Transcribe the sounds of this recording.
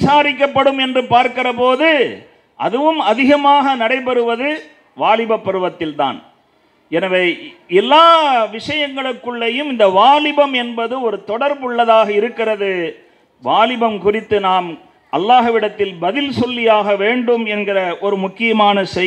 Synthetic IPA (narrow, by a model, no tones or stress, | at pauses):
saːɾɪk̬ːɐpːɐɽɯmɛndrɯpaːɾkɪrɐpoːðɯ | ʔɐ̰ðɯʋɯmɐðɪɣɐmaːɣɐnɐɽɐɪpɐɾɯʋɐðɯ | ʋaːlɪbɐpːɐɾɯʋɐt̪ːɪlt̪a̰ːn | ɛnɐʋeːɛlːaːʋɪʂɐjɐŋɡɐɭɯkːɯɭːɐjɯmɪnd̪ɐʋaːlɪbɐmɛnbɐðɯɔɾɯt̪ɔɽɐɾbʊɭːɐðaːɣɐɪɾɯkːɪrɐðɯ | ʋaːlɪbɐmkʊrɪt̪ːɯnaːm | ʔɐlːaːɦɯʋɪɽɐt̪ːɪlbɐðɪlsɔlːɪjaːɣɐʋeːɳɖɯmɛnɡɪrɐʔɔɾɯmʊkːɪjɐmaːnɐsɛ